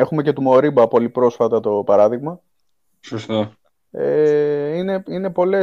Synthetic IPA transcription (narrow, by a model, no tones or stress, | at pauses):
exume̞ce̞t̪umo̞ɾibɐpolipɾo̞sfɐt̪ɐt̪o̞pɐɾɐðiɣmɐ | sost̪ɐ | eine̞ine̞po̞le̞